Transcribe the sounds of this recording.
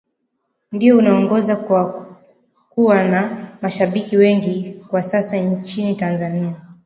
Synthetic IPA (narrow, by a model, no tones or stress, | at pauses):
ndiɔunaɔŋɡɔzawa | kuwanamaʃaɓikiwɛŋɡikwasasaɲt͡ʃinitanzania